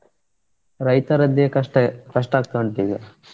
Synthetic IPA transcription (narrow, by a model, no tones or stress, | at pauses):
ɾɐjt̪ɐɾɐd̪eekɐʂʈaːk̚t̪ɐɳd̪iːɡɐ